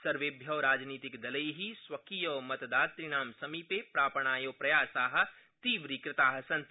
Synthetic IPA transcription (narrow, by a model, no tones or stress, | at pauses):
sɐɾʋeːbʱjɐːɾaːd͡ʒniːt̪ɪkd̪ɐləjɦiswɐkijoːmɐt̪d̪aːt̪t̪ɾɪɽ̃aːmsɐmipepɾaːpəɳ̃aːjoːpɾɐjaːsaːɦə̆ | t̪iːʋɾiːkɾɪt̪aːɦɐsɐ̃n